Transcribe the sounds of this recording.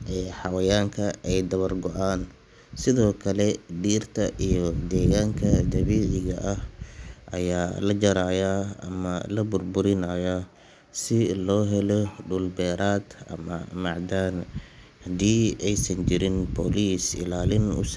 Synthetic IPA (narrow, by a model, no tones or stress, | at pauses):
ʔɛːħɑwɐjaːŋkʰɐʔɛjd̪ɐβɐrɡɔʔaːn | sɪðɔːkʰɐlɛɖiːrt̪ʰɐʔijɔd̪ɛːɣaːŋkʰɐd̪ɐβiːʕɪɣɐʔɐhʔɐ̰jaːlɐd͡ʒɐɾaːjaɐ̰mɐlɐbʊrbʊɾɪnajɐ | sɪlɔːɦɛlɔɖʊlbɛːɾaːd̪ɐ̰mɐmɑʕd̪aːn | hɐd̪iːɛjsɐnt͡ʃɪɾɪnbʰɔːliːsɪ̰laːlɪnʊ̰s